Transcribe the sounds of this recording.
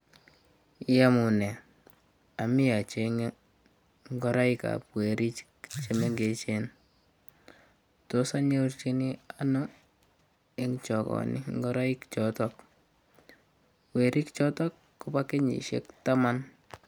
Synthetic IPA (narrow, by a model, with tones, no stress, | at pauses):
ja˦mu˨nɛ˨ | a˨mi˦ja˨t͡ʃeŋe˦ | ŋɡɔ˦ɾa˦ika̰˨pwe˨ɾi˦t͡ʃ | t͡ʃe˨me˦ŋɡe˨t͡ʃe˦n | to˦sa˦ɲe˦u˦ɾt͡ʃi˦ni˦a˦nʊ˦ | e˦ŋt͡ʃɔ˨kɔ̰˨nḭ˦ŋɡɔ˦ɾa˦i˦kt͡ʃɔtɔk | we˨ɾʔi˦kt͡ʃɔ˦tɔ˦kːo˦pa˦ke˦ɲḭ˨ʃḛ˦kta˦ma˦n